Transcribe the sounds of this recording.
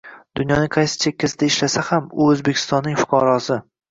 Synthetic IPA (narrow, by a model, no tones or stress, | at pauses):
d̪̥ʊnjɒnɪqʰɑjsɪ̥t͡ʃʰekʲʰːasɪd̪aɪʃlasahamʊozbekʲʰɪ̥st̪ɒnːɪŋfʊ̥qʰɒɾɒsɪ